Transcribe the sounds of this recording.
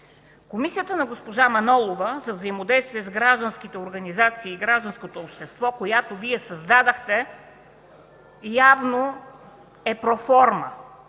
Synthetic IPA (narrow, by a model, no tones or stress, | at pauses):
komisijət̪ənɐɡospoʒamɐnɔlˠovəzɐvzɐimod̪ɛjst̪viɛzɡɾaʒd̪ənskit̪ɛoɾɡɐnizat̪siːɡɾaʒd̪ənskot̪oːpʃt̪ɛst̪vɔkojat̪oviɛsɐzd̪ad̪əxt̪ɛ | javno | ɛpɾofɔɾmə